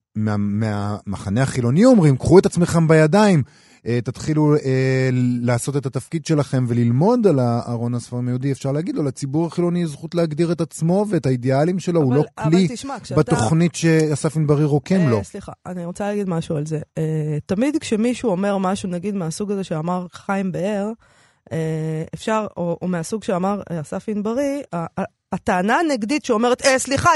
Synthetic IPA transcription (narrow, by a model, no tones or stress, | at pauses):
meamea̰maχaneaχilo̞niomʁimkχuet̪at͡sme̞χe̞mbajadaim | et̪at̪χiluelaːso̞t̪e̞t̪at̪afkid̪ʃe̞laχe̞mve̞lilmo̞d̪alaaʁo̞nasfaʁimajud̪iefʃaʁleaɡid̪lolat͡sibuʁaχilo̞nizχutleaɡd̪iʁe̞t̪at͡smo̞ve̞ːtaid̪ealimʃe̞lo̞ulo̞kllibat̪o̞χnitʃeasafinbaʁiʁo̞kemlosliχa̰a̰niʁot͡salaːɡid̪maʃualzeet̪amid̪kʃe̞miʃuome̞ʁmaʃunaɡid̪measuɡaze̞ʃeamaʁχajmbeeʁ | eefʃaʁoʔomeasuɡʃeamaʁeasafinbaʁiaː | t̪aːnaneɡditʃeo̞me̞ʁet̪esliχa